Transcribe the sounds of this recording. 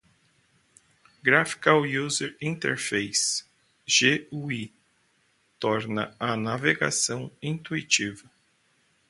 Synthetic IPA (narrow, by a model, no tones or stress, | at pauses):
ɡɾafi̥kawjuzeɾĩnt̪ḛɾfejs | ʒ̥eui | t̪ɔɾnɐ̰ɐnaveɡa̰sɐ̃w̃ĩt̪uit͡ʃivɐ